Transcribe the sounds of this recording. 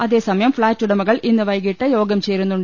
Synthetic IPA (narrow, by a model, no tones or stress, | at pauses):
ɐðeːsɐmɐjɐmfɭaːʈːɯɽɐmɐɣɐɭʔɪnːɐʋɐɪɣɪʈːɐjoːɡɐmt͡ʃeːɾɯnd̪ɯɳ